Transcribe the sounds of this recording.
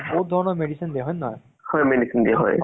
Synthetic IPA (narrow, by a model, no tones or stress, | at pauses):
bot̪̚d̪ʱɔɹɔnɔɹmeɖisind̪ijaɦɔjnːɦj | hɔjmeɖisind̪iaɦɔ̰j